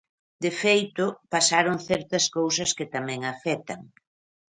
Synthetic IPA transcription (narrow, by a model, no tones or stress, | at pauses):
d̪efejt̪ʊpasaɾoŋθɛɾt̪ɐskowsɐskɪt̪amɛ̃ŋafɛt̪ɐŋ